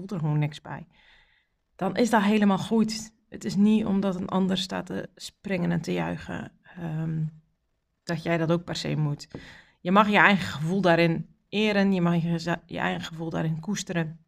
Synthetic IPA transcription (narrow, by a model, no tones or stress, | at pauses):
ulˠərxəʋoːnːɪksbɛ̰j | d̥ɔnɪsdɔtɦeːləmalˠxujt | ətɪsnio̰mdɔtənʔɔ̰ndərsta̰tə̰sprɪŋənɛntəjœ̰ɥɣə̰ | d̥ɔtjɛjdɔtok̚pɛrsḛːmut | jəmɑxjəɛjɣəxəvulˠdaɾɪn | ɪːɾənjəmɑxjə̰ʔɛ̰jɣəxəvulˠdaːɾɪnkustəɾən